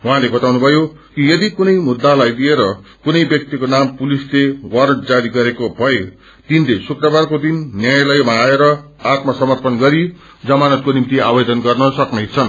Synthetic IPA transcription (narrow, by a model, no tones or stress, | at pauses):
wɦãlebʌt̪awnubʱʌjo | kijʌd̪ikunʌjmud̪ːalajlieɾʌkunʌjbjʌk̚t̪ikonampulislewʌɾʈd͡zaɾiɡʌɾekobʱʌe | t̪inlesukrʌbarkod̪inːjajlʌjmaːeɾʌ | at̪masʌmʌrpʌnɡʌɾi | d͡zʌmanʌt̪̚konimt̪iabed̪ʱʌnɡʌrnʌsʌknʌjt͡sʰʌn